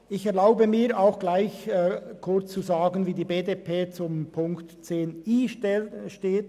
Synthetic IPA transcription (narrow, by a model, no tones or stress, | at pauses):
ʔɪçɛɐʁlaʊbəmiːaʊxɡ̥laɪçkʰʊɹt͡st͡suzaːɡənviːdiːbeːdepʰeːt͡sʊmpʰʊŋktt͡seːniːʃteːt